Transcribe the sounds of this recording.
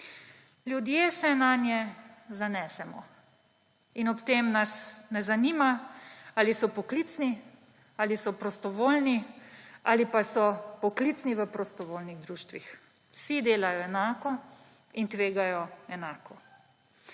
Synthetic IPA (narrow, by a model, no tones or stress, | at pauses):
ljud̪jeːsɛnanjɛzanɛːsɛmɔ̰ | inɔpt̪eːmnasnɛzaniːmaaːlisɔpɔkliːt̪sni | aːlisɔpɾɔst̪ɔʋoːlnia̰ːlipasɔpɔklit̪sniʋəpɾɔst̪ɔʋoːlniɣd̪ɾuːʃt̪ʋix | wsid̪eːlajɔɛnaːkɔ | int̪ʋeːɡajɔɛnaːkɔ